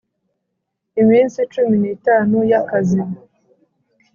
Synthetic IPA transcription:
iminsit͡ʃuminiːtaːnujakazima

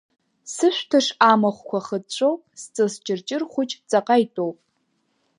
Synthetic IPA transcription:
sɨʃʷtʰɨʂaːmɐχʷkʷʰɔχədɕʷʼowpʼst͡sʼɨst͡ʃʼɪrt͡ʃʼɪrχʷʊt͡ʃʼt͡sʼɐqɐjtʼowpʼ

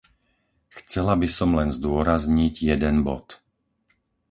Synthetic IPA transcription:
xt͡sɛlabisɔmlɛnzd̪ʊɔɾazɲiɟjɛd̪ɛnbɔ̰t̪

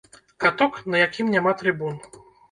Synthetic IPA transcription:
kat̪ɔknɐjakʲimnʲamat̪ɾɨbun

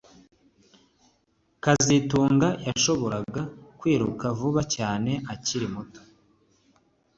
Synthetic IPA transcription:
kazituːŋɡajaʃo̞βo̞ɾaɡakwiːɾukavuβacaːne̞ʔaciɾimuto̥

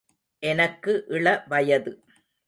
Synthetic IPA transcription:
ʔɛnɐkːɯʔɪɭɐʋɐjɐðɯ

